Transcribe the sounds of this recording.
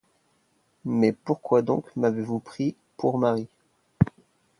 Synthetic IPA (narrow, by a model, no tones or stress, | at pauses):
mɛpuʁkwad̪ɔ̃kmavevupχi | pʰuʁmaʁi